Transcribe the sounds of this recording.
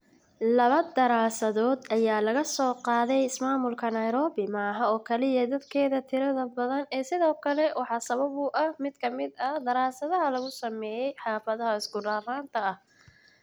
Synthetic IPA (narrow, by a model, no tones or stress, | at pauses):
lɐβɐd̪ɐɾaːsɐðɔːd̪ʔɐjaːlɐɣɐsɔːqɑːðɛjɪsmaːmʊlkʰɐnɐjɾɔːβɪmɑːɦɐɔːkʰɐlɪjɐd̪ɐd̪kʰɛːðɐt̪ʰɪɾɐðɐbɐðɐnɛːsɪðɔːkʰɐlɛwʔɑħɑːsɐβɐβʊʔɐhmɪd̪̥kʰɐmɪd̪ɐd̪ɐɾaːsɐðɐɦɐlɐɣʊsɐmɛːjɛjħɑːfɐðɐɦɐɪsɡʊraːraːnt̪ʰɐɐh